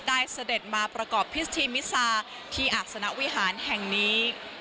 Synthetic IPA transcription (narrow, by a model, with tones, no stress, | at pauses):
daː˥˩jsa˧de˨˩t̪̚maː˧pɾa˧kɔː˨˩pʰːi˦˥t̪ʰiː˧mi˦˥saː˧ | t̪ʰiː˧˩ʔaː˨˩t̪̚sa˧na˦˥wi˦˥ɦaː˩˦nɦɛ˨˩ŋniː˦˥